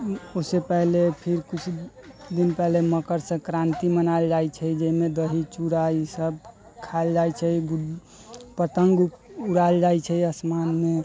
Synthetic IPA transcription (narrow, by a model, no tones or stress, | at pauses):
osepɛɦlepʰiɾkut͡ʃʰ | d̪inpɛɦleməkəɾsə̃kɾãnt̪imənald͡ʒajt͡ʃʰɛid͡ʒəimed̪əɦit͡ʃuɾaisəb̚ | kʰald͡ʒajt͡ʃʰɛiɡ | pət̪əŋɡupuɽald͡ʒajt͡ʃʰɛiəsmanme